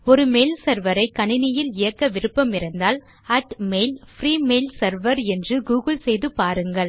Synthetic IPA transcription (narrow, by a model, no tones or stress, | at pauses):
ɔɾɯmeːlsɐɾʋɐɾɐɪkːɐɳɪnɪjɪlɪjɐkːɐʋɪɾɯpːɐmɪɾɐnd̪aːl | ɐʈmeɪlfɾiːmeːlsɐɾʋɐɾɛndrɯɡuːɣɯlsɛjðɯpaːɾɯŋɡɐɭ